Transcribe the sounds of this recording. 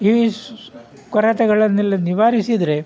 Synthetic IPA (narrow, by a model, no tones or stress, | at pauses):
i | kɔɾɐt̪ɛɡɐɭɐnːɛlːɐniʋaːɾisid̪ɾe̞